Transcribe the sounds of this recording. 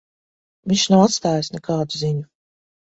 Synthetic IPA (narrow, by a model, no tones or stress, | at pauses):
viɲʲʃnawat̪st̪aːjasnɛkaːd̪uziɲu